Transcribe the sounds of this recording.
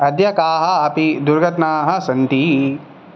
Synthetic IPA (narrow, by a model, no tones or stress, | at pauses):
ɐd̪jɐkaːɦɐ̆ɐpid̪uɾɡɐt̪naːɦɐ̆sɐnt̪i